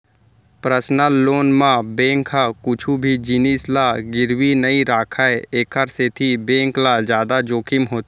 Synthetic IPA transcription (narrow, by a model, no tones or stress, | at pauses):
pɾəsnəlːoːnmãbẽːŋkɦakʊt͡ʃʰubʱid͡ʒiːnislaɡɪɾwinəiɾaːkʰaeeːkʰəɾset̪ʰibẽːŋklad͡ʒjaːd̪ad͡ʒoːkʰɪmɦoːt̪ː